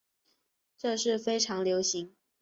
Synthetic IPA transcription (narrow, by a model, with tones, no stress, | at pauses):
ʈ͡ʂɤ˥˧ʂɻ̩˥˩fe˥ɪʈ͡ʂʰɑ˧˥ŋljo˧˥ʊɕi˨˧˥ŋ